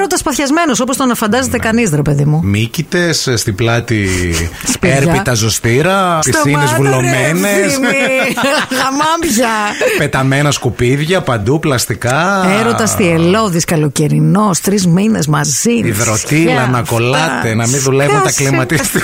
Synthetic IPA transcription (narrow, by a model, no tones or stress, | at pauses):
ɾot̪ɐspɐθçɐzme̞noso̞post̪onɐfɐnd̪ɐzet̪ekɐnisɾepe̞ðimumicit̪e̞sst̪iblɐt̪ispeɾɐpit̪ɐzost̪iɾɐpisinizvulommenes | ɣɐmɐmbçɐpet̪ɐmenɐskupiðʝɐpɐnd̪uplɐst̪ikɐeɾo̞ɐst̪ielo̞ðiskɐlo̞ce̞ɾino̞st̪ɾizminezmɐziiðɾot̪ilɐnɐko̞lɐt̪enɐminðule̞vunt̪ɐklimɐt̪ist̪i